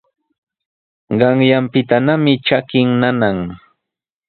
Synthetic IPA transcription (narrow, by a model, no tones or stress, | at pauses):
ɢɑŋjampɪt̪anamɪt͡ʃakɪŋnanaŋ